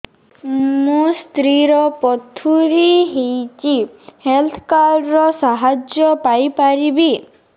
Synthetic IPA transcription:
must̪ɾiɾɔpɔt̪ʰuɾiɦejt͡ʃihelt̪ʰkaɖɾɔsaɦad͡ʒjɔpajpaɾibi

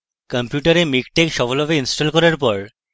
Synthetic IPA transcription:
kəmpjuʈaɾemikʈekʃɔfʰolɔbeinsʈolkɔɾaɾpɔɾ

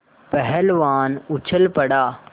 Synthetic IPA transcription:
pəɦɛlʋaːnʊt͡ɕʰəlpɐɽaː

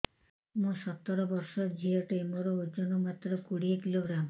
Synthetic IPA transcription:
mũsɔt̪ːɔɾɔbɔɾsɔd͡ʒʱiɔʈemɔɾɔud͡ʒɔnɔmat̪ɾɔkuɽiekiloɡɾam

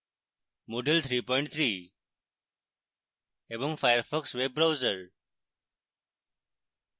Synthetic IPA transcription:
moɖəlt̪ʰɾiːpɔɪ̃ɳʈ̚t̪ʰɾiː | ebɔ̃ŋfajəɾfəksʋeb̚ːɾaʊzəɾ

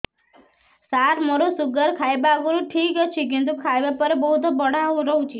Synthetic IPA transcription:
saɾməɾosuɡəɾkʰajbaɡuɾũʈʰikət͡ʃʰikint̪̬ukʰajbapəɾebəɦut̪obəɽ̤aʋũɾəɦũt͡ʃʰe

